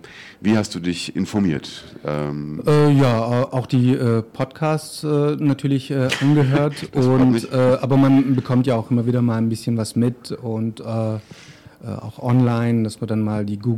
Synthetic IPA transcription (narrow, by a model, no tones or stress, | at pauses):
viːhastd̥uːdɪçʔɪ̰nfɔɐmḭːɐtʔɛ̰mʔɛːjaːɛːʔaʊxd̥iːʔɛːpʰɔtkʰaːst͡sʔɛːnatʰyːɐlɪçʔɛːʔanɡəɦøːɐtʔʊntɛːʔaːbɐmanbəkʰɔmtjaːaʊxʔɪmɐviːdɐmaːlnbɪsçənvasmɪtʊntɛː | ʔɛ̰ːʔa̰ʊxʔɔnlaɪnd̥asmadanmaːldiːɡuː